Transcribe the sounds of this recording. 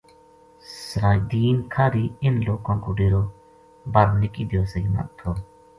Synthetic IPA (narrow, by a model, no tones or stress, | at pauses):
səɾaːd̪iːnkʰaːɾiːɪnloːkãːkoːɖeːɾoː | bəɾnɪkiːd̪ɪjoːsəiːmə̰ʔt̪ʰːoː